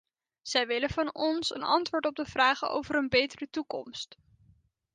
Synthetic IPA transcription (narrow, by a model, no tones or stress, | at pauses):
z̥ɛjʋɪləvɑnɔnsə̰nɑ̰ntʋʊːɹtɔb̚dəv̥raːχəo̰wvəɾənbejtərətukɔ̰mst